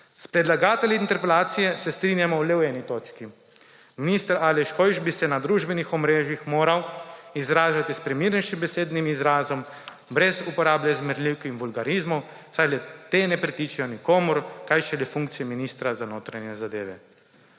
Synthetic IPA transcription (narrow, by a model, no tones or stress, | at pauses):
spɾɛd̪laɡaːt̪ɛljiint̪ɛɾpɛlaːt̪sijɛsɛst̪ɾinjamɔwlɛwɛːnit̪oːt͡ʃki | minist̪əɾaːlɛʃkɔjʒbisɛnad̪ɾuʒbɛnixɔmɾeːʒjixmoːɾawizɾaːʒat̪ispɾɛmiːɾnɛjʃimbɛseːd̪nimizɾaːzɔm | bɾɛzupɔɾaːbljɛzmɛɾliwkinʋulɡaɾizmɔw | sajlɛt̪eːnɛpɾit̪it͡ʃɛjɔnikoːmʊɾkajʃɛlɛfuŋkt̪sijɛminiːst̪ɾazanoːt̪ɾanjɛzad̪ḛːʋɛ̰